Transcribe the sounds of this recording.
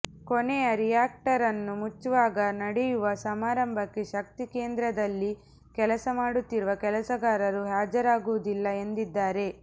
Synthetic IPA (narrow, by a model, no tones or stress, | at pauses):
konɛjɐɾijaːk̚ʈɐɾɐnːumut͡ʃːuʋaːɡɐnɐɽɛjuʋɐsɐmaːɾɐmbʱɐkːe̞ʃɐk̚t̪ikeːnd̪ɾɐd̪ɐlːi | kɛlɐsɐmaːɽut̪ːiɾuʋɐkɛlɐsɐɡaːɾɐɾuɦaːd͡ʒɐɾaːɡuʋud̪ilːɐe̞nd̪id̪ːaːɾe̞